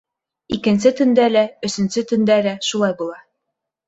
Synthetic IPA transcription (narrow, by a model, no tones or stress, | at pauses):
ikɘ̆nsɘt̪ɵ̆nd̪ælæɵ̆sɘ̆nsɘt̪ɵ̆nd̪ælæʃulˠɑjbulˠɑ